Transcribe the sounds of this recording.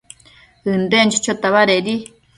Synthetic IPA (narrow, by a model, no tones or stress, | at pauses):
ɨnd̪ent͡ʃit͡ʃot̪aβaɾeɾi